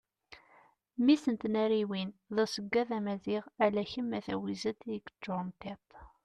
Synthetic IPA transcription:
misənt̪næɾiwinðæsəɡːæðæmæziʁælæçəmːæθæ̰wizæt̪ɡə̥t͡ʃːoɾˤnt̪it̪

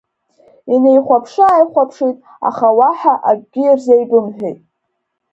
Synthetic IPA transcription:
inejχʷapʰʂaːjχʷapʰʂitʼ | a̰χawaħaʔaɡʲʷɡʲɪirzejbɨmħᶣejtʼ

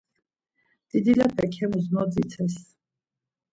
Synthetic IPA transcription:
d̪̥id̪ilapʰɛkʰɛmuzmɔd̪zit̪sʰɛs

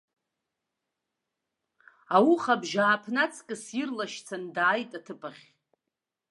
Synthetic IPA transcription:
awuχabʒaːpʰnat͡sʰʼkʼɨsirlaʃt͡sʰandaːjtʼatʰɨpʰʼaχʲ

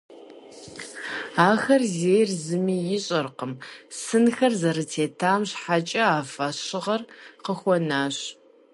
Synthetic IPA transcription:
aːxɐrzeːjrzɨmiːjɪɕʼɐrqəmsɨnxɐrzɐrɨtʰeːtʰaːmɕħat͡ʃʼɐaːfaɕɪʁɐrqəxʷɔnaːɕ

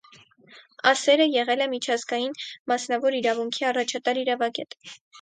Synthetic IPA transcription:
ɑsɛɾəjɛʁɛlɛmit͡ʃʰɑzɡɑjinmɑsnɑvɔɾiɾɑvuŋkʰiɑrɑt͡ʃʰɑt̪ɑɾiɾɑvɑɡɛt̪

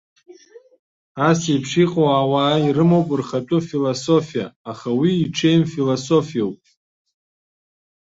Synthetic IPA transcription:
asejpʰʂiqʼowawaːirɨmowpʼɨrχatʼufilosofija̰aχawiːʈ͡ʂʰejmfiloso̞fijawpʼ

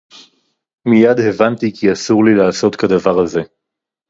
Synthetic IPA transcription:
mijad̪he̞vant̪ikiasuʁlilaːso̞t̪kad̪avaʁaze̞

